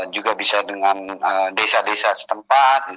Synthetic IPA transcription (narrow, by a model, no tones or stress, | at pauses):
d͡ʒuɡabisadəŋanədesadesasə̥t̪əmpat̪̚